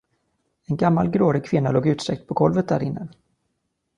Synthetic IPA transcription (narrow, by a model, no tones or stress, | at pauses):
ɛnɡamːalɡɾoːɾɪkʰvɪnːaloːɡʉ̟ːt̪sɛk̚t̪̚pʰɔɡɔlvət̪̚d̪æ̰ːɾɪnːə